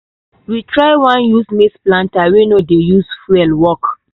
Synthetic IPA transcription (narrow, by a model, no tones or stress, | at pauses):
witɹaɪwãnjusmisplãntawenodejusfuɛlwɔk